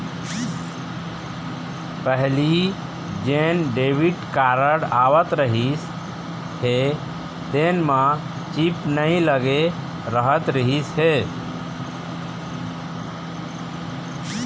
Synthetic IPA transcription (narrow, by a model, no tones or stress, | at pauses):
pəɦli | d͡ʒenɖeʋiʈkaɾəɽaʋət̪ɾəɦis | ɦe | t̪enmã | t͡ʃipnəĩləɡe | ɾəɦət̪ɾəɦisɦe